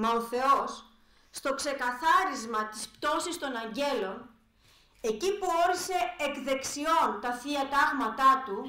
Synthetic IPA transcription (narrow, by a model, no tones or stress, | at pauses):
mɐo̞θe̞o̞sː | t̪o̞kse̞kɐθɐɾizmɐt̪ispt̪o̞sist̪o̞nɐɲɟe̞lo̞n | e̞cipuo̞ɾise̞ːkðe̞ksio̞nt̪ɐθiɐt̪ɐɣmɐt̪ɐt̪u